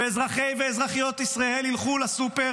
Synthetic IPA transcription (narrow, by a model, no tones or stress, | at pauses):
eezʁaχejveːzʁaχijo̞t̪isʁaelilχulasupe